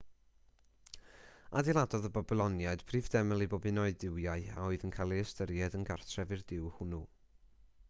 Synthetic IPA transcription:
adilˠadɔðəbɔblˠɔnjaɨd̥pʰriːvdɛməlˠibɔbɨnɔɨdɪwjaɨa̰ɔɨðənkʰalˠiəstəɾjɛdənɡartʰrɛvɨrdɪwhʊnuː

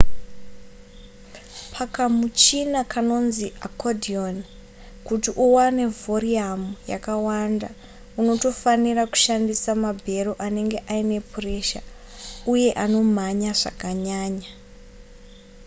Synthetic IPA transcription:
pʰakamut͡ʃinakano̞nziakodʱion | kutiʔuwane̞voriamuja̰kawanda | uno̞to̞faniraku̥ʃandisamabʱe̞ɾoʔane̞ŋɡe̞ʔaine̞pre̞ʃa | uje̞ʔano̞m̤aɲaʐa̰kaɲaːɲa

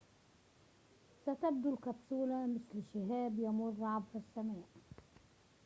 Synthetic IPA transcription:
sat̪ab̚d̪ulkabsuːlamɪθlʃɪɦaːbjamʊrˤːɑʕbfasːamaːʔ

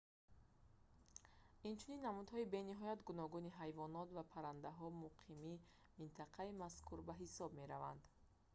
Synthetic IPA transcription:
int͡ʃʰuninːamud̪hɔibe̞niɦɔjat̪ɡunɔɡuniɦajvɔnɔt̪vapʰaɾand̪aɦɔmuqʰimi | mint̪ʰaqʰaimaskʰuɾbaɦisɔb̚me̞ɾava̰nd̪

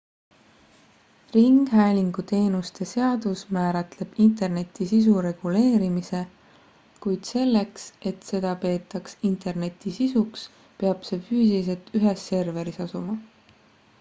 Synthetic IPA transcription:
riŋɡ̥ɦæːlʲiŋɡ̥ut̪e̞ːnust̪e̞se̞ɑd̪̥usmæːɾɑt̪le̞b̥int̪e̞rne̞t̪ːˑisis̬uɾe̞ɡ̥ule̞ːɾimise̞ | kujd̪̥se̞lːe̞kse̞t̪se̞d̪̥ɑpe̞ːt̪ːˑɑksint̪ˑe̞rne̞t̪ːˑisisuks | pe̞ɑb̥se̞fyːsilis̬e̞lt̪ʰyɦesːe̞rve̞ɾisɑsumɑ

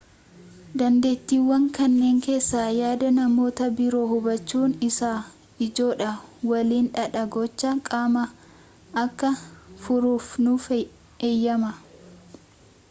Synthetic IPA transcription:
d̪ɐnd̪e̞ːt̪ːiːwːɐŋkɐnːe̞ːŋke̞ːsːaːjaːd̪ɐnɐmo̞ːt̪ɐbɪɾo̞ːhʊbɐt͡ʃːuːnɪsaː | ɪd͡ʒo̞ːᶑɐwɐliːnᶑɐᶑɐɡɔt͡ʃːɐkʼaːmɐː | kːɐfʊɾuːfnʊf | eːjːɐmɐ

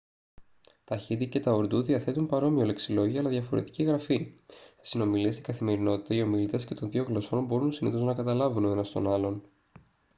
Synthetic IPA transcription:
t̪ɐçit̪ice̞t̪ɐoɾd̪uðiɐθe̞t̪umpɐɾo̞mio̞le̞ksilo̞ʝiɐlɐðʝɐfo̞ɾe̞t̪i̥ciɣɾɐfist̪i̥sino̞miliest̪iɡɐθime̞ɾino̞t̪i̥t̪ɐio̞milit̪e̞sce̞t̪o̞nðio̞ɣlo̞so̞nbo̞ɾunsiniθo̞znɐkɐt̪ɐlɐvuno̞enɐst̪o̞̰nɐlo̞n

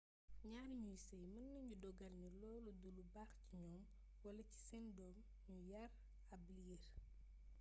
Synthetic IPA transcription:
ɲaːnɲujisɛjmɐnːɐɲɟudɔɡɐlɲulɔːlɔdulubaːxciɲɔːm | wɐlɐci̥sɛndɔːm | ɲujɐr | ɐbliɡeɾ

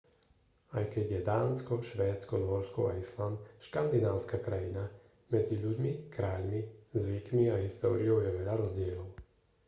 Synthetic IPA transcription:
ajkɛɟjɛd̪aːnskɔʃʋɛːt͡skɔnʊɔɾskɔa̰islanʃkand̪inaːʊskakɾajina | mɛd͡ziʎuɟmikɾaːʎmizʋikmiaɦist̪ɔːɾiɔʊjɛʋɛʎaɾɔzɟɪɛlɔʊ

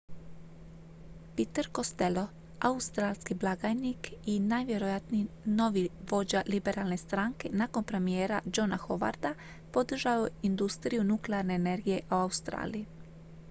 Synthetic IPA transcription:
pit̪əɾko̞st̪e̞lo̞ | aust̪ɾaːlskiblˠaɡajnikinajʋje̞ɾojat̪ni | no̞ʋiʋo̞d͡ʑalibe̞ɾʔalˠne̞st̪ɾaːŋke̞nako̞npɾe̞mije̞ːɾad͡ʒo̞naxo̞ʋa̰ɾd̪a | po̞d̪r̩ʒaʋoind̪ust̪ɾijunukleaɾne̞ːne̞ɾɡije̞ʔoaust̪ɾa̰ːliji

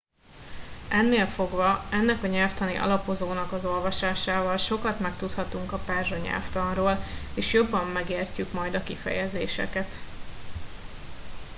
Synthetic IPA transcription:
ʔɛnːeːlfo̞ɡvɒɛnːɛkɒɲɛlft̪ɒnḭʔɒ̰lɒpo̞zoːnɒkɒzo̞lvɒʃaːʃaːvɒlʃo̞kɒt̪mɛkt̪ut̪hɒt̪uŋkɒpɛːrʒoɲɛ̰lft̪ɒnroːleːʃjo̞bːɒmːɛɡeːrcykmɒjd̪ɒkifɛ̰jɛzḛːʃɛ̰kɛt̪

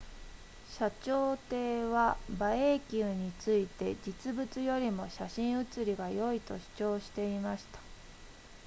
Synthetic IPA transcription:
ɕat͡ɕo̞ːt̪e̞ːβabaekʲɨːɲ̟it͡sɨit̪e̞d͡ʑit͡sɨbɯ̟t͡sɨjo̞ɾʲimo̞ɕaɕĩɰ̃ɯ̟t͡sɨɾʲiɡajo̞it̪o̞̰ɕi̥t͡ɕo̞ːɕi̥t̪e̞imaɕi̥t̪ḁ

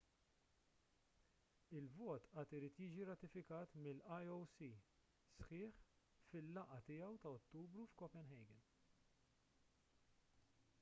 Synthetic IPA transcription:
ɪlvɔːt̪ʔɐːt̪ɪɾiːt̪jiːd͡ʒiɾɐt̪ɪfɪkɐːt̪mɪlːʔɐjɔwsi | sħɪːħ | fɪlːɐʔɐt̪ɪjɐwt̪ɐɔt̪ːuːbɾufkɔpɛnɦɛjɡɛn

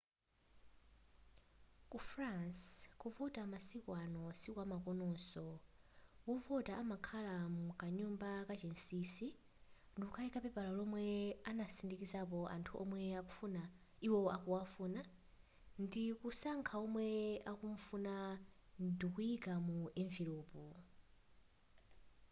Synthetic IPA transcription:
kufranskuvɔtamasikwanɔsikwamakɔnɔsɔ | wuvɔtaːmakʰalamukaɲumbakat͡ʃinsiːsi | ndiuukʰaikapɛpalalɔmwɛanasindikizapɔʔa̰ntʰuʔɔ̰mwɛakufuna | iwɔakuwafuːna | ndikusaŋkʰaɔmwɛakuɱ̩funandikujikamuɛɱviloːpu

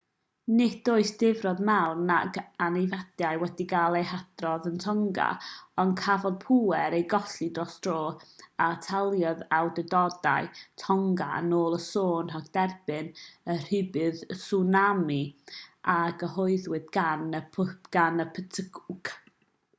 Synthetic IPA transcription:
nɪd̥oɨsd̥ɪvrɔðmɛwnaɡanɪvad̥jajwɛdiɡalˠejhad̥rɔðəntʰɔŋɡa̰ɔnkʰavɔðpʰuɛɾejɡɔɬidrɔsd̥roːatʰɛlˠjɔðawdədɔda̰jtʰɔŋɡa̰noːlˠəsoːnɦaɡd̥ɛrb̥ɨnər̥ɨbɨðsunamiʔaɡəhɔɨðwɨdɡ̥anəpʰɡ̥anəpʰətʰəɡuɡ̥

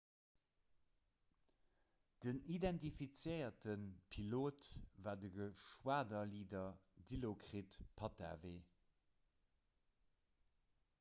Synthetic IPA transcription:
d̥ənidɛntifit͡sjəɪɐtənpʰiloːtvaːdəɡəʃwaːdɐliːdɐdilokʁitpʰɑta̰ːveː

